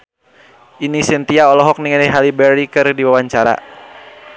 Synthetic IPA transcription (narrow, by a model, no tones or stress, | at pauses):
ʔinisɛnt̪iaɔlɔɦɔk̚niŋɛnɛɦalibɛɾikɨrdiwawaɲt͡ʃaɾa̰